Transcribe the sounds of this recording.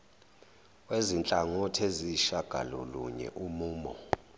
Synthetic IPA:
wezint͡ɬʼaŋɔtʰeziʃaɡ̥ʱa̰lɔ̰lṵɲɛ̰ʔumuːmɔ

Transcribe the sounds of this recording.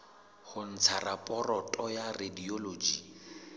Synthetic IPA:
hʊn̩t͡sʰarapʼɔrɔtʼɔjarediolod͡ʒi

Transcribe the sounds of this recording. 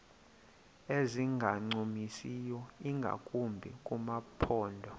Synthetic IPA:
eziŋɡʱaŋ͡ǀumisijɔiŋɡʱa̰kʼumbʱḭkʼumapʰɔːndʱɔ

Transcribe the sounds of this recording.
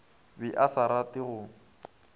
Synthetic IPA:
bɪʔasaɾatɪɣʊːŋ̩

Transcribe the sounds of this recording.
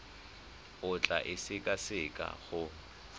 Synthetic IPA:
ʊt͡ɬʼa̰ʔɪsɪkʼasɪkʼa̰ɣʊ

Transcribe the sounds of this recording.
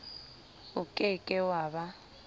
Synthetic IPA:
ʊkʼɪkʼɛwaːβa

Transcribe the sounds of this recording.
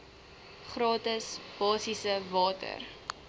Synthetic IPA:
χrɑːtəsb̥ɑːsisəvɑːtə̰r

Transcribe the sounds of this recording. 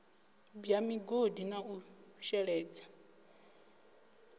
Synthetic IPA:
bjamiɡodinauʃɛɺɛːd͡za

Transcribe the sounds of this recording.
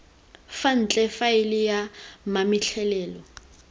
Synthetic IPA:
fan̩t͡ɬʼɛfaɪlɪjamamiɬʰɛlɛːlɔ

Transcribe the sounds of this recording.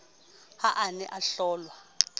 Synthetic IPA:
haʔanɛ̰ʔaɬɔːlwa

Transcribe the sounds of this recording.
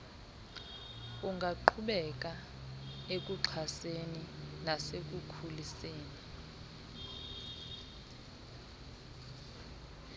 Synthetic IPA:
uŋɡʱaǃʰuɓɛk̬ʼa | ek̬ʼuǁʰaseninasek̬ʼukʰuliseːni

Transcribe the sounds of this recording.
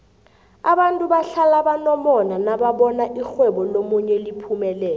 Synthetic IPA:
aɓantʼuɓaɬalaɓanɔmɔnanaɓaɓɔnaʔixwɛɓɔlomuɲɛlipʰumɛlɛːlɔ

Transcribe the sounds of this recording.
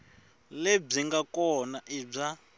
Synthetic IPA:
leb͡ʐiŋɡakɔnaʔib͡ʐa

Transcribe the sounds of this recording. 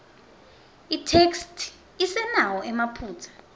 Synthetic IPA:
itʰekstʰ | isɛnawɔʔɛmapʰuːtʰḁ

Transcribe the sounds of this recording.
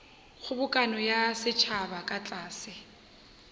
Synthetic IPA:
χʊbʊkʼanɔjasɪt͡ʃʰabakʼat͡ɬʼaːsɪ

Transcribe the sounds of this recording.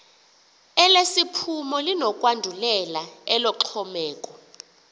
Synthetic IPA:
ɛlesipʰumɔlinɔkʼwandʱulɛlaɛlɔǁʰɔmɛːk̬ʼɔ

